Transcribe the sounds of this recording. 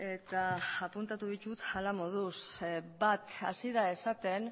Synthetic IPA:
e̞t̪aːpunt̪at̪uðit͡ʃut̪alamoðusbat̪a̰siðae̞sat̪e̞n

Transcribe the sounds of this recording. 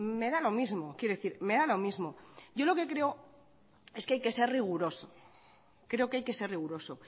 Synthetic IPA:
me̞ðalo̞mizmo̞kjeɾoðeθiɾme̞ðalo̞mizmo̞ɟ͡ʝo̞lo̞ke̞kɾe̞o | e̞skeajke̞se̞rriɣ̞uɾo̞so | kɾe̞okeajke̞se̞riɣ̞uɾo̞so̞

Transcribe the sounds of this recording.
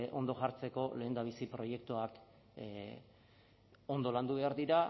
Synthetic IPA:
ʔo̞nd̪o̞ʝaɾt͡se̞ko̞le̞ːnd̪aβ̞isipɾo̞je̞kt̪uak | o̞nd̪o̞land̪uβe̞aɾðiɾa

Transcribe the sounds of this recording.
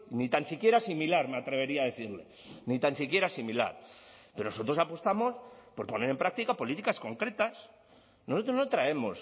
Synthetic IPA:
nit̪ansikje̞ɾasimilaɾme̞at̪ɾe̞βe̞ɾiaːðe̞θiɾle̞̰ | nit̪ansikje̞ɾasimila̰ɾpeɾonoso̞t̪ɾo̞sapost̪amo̞spo̞ɾpo̞ne̞ɾe̞mpɾak̚t̪ikapo̞lit̪ikasko̞ŋkɾe̞t̪as | nosot̪ɾo̞znot̪ɾae̞mo̞s

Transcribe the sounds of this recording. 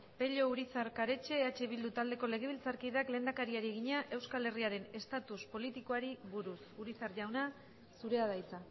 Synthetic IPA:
pe̞ʎo̞uɾit͡saɾkaɾe̞t͡ʃe̞at͡ʃe̞βild̪ut̪ald̪e̞ko̞le̞ɣ̞e̞βlt͡saɾkiðakle̞ːnakaɾiaɾieɣiɲaʔe̞wskale̞riaɾe̞ne̞st̪at̪uspo̞lit̪iko̞aɾiβuɾusuɾit͡saɾʝawna | suɾe̞að̞ajt͡sa

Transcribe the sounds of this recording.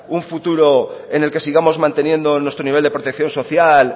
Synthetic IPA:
uɱfut̪uɾoene̞lke̞siɣamo̞zmãnt̪e̞njẽ̞nd̪onwest̪ɾoniβeld̪e̞pɾot̪ekθjo̞nso̞θjal

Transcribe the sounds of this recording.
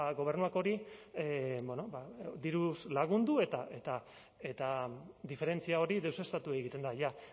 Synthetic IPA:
ɡo̞β̞e̞ɾnuako̞ɾi | bono̞bad̪iɾuslaɣ̞und̪ue̞t̪aʔe̞t̪a | e̞t̪ad̪ife̞ɾe̞nt͡siao̞ɾiðe̞wse̞st̪at̪ueeɣit̪e̞nd̪aja

